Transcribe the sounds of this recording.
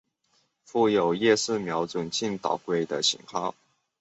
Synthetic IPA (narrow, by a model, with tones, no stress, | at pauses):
fu˥˩jo˨˩ʊjɛ˥˧sɹ̩˥˩mjɑ˧˥ʊt͡swə˨˩nt͡ɕi˥˩nt̪ɑ̰˨˩ʊkwe˥˩ɪd̪ə˨ɕʰḭ˨˩ŋkʰɑ˥˦ʊ